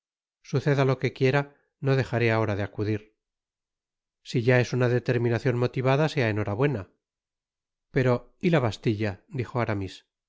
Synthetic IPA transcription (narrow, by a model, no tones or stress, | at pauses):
suθe̞ðalo̞ke̞kje̞ɾa | no̞ðe̞xaɾe̞ao̞ɾaðeakuðiɾ | siʝae̞sunaðet̪e̞ɾmĩnaθjo̞nmo̞t̪iβaðase̞ae̞no̞ɾaβwena | pe̞ɾo̞ilaβast̪iʎad̪ixo̞aɾamis